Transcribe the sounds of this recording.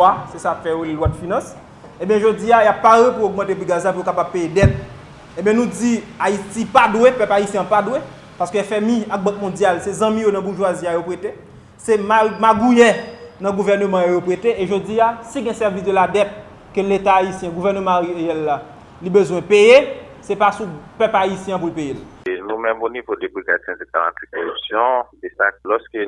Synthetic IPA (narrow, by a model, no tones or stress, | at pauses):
asesafɛolwɔtfinɐ̃s | ẽbjɛ̃ʒod͡ziajapːaʁepuoɡ̚mɑ̃tep̬uɡazap̬ujokapab̚pejedɛt̚ | ẽbjɛ̃nũd͡ziaitipadwepœpaisjɛ̃padwe | paskøɛfɛmĩak̚bʌ̃k̚mɔ̃d͡zjalsɛzɐ̃mĩjonɐ̃buʁʒwaziajopʁete | sɛmamaɡujɛnɐ̃ɡuvɛʁnømɑ̃jojopʁeteʔeʒod͡ziasiɡɛ̃sɛʁvisd̪øladɛt̚ | køletaːisjɛ̃ɡuvɛʁnømɑ̃eeɛlːa | libøzwɛ̃peje | sɛpasupøpaisjɛ̃p̬ulpejelnũmɛ̃monivodebiɡa̰tɛ̃deɡa̰lã̰t̪ikoʁypsjɔ̃sesaklɔskø